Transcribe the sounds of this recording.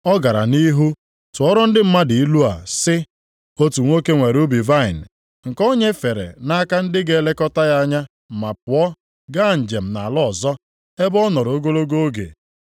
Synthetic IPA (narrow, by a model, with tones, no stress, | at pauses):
ɔ˦ɡa˨ɾa̰˨ni˦ɦu˦ | tʊ˨ɔ˦ɾɔ˦n̩˦dɪ˦m̩˦ma˦dɪ˨i˦lu˦a̰˨sɪ˦ | o˦tu˨ŋʷo˦ke˦ŋʷe˨ɾu˦bi˨va˦ɪ˨n˨ | ŋ̩˨kɔ˦ɲe˦fe˨ɾḛ˨na˦ka˦n̩˦dɪ˦ɡe˨le˦kɔ˦ta˦ja˦ɲa˦ | m̩˨ma˨pʊ˨ɔ˦ | ɡa˦˨n̩˨d͡ʒe˨m̩˨na˨lɔ˦˨zɔ˦ | e˦bɔ˦nɔ˨ɾɔ˨o˦ɡo˦lo˦ɡo˦ɡḛ˨